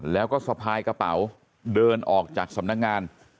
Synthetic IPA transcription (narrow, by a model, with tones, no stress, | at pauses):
lɛː˦˥wkɔː˥˩sa˧pʰaː˧jka˧pa˩˦w | dɤː˧nʔɔː˨˩k̚t͡ɕaː˨˩k̚sa˩˦mna˦˥k̚ŋaː˧n